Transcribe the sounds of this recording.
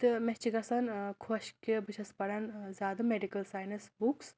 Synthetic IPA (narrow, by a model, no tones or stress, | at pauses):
t̪ɨmet͡ʃiɡɐsɐnkʰoɕkebɨt͡ʃʰɐspɐɽɐnzaːd̪ɐmeɖikɐlsaːjnɐsbuks